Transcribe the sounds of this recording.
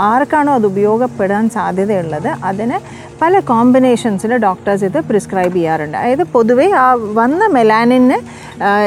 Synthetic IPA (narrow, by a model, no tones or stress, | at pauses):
aːrkːaːɳoːɐðɨubɐjo̞ːɡɐpːeɽaːnsaːd̪ʱjɐðɐjuɭːɐðɨʔɐðinɨ | pɐlɐkaːmbineːʂɐnsileɖaːkʈɐrs̬iðɨpriskraːjbijaːɾuɳɖɨɐ̰jɐðɨpo̞ðuʋeaːʋɐnːɐmelaːninːɨ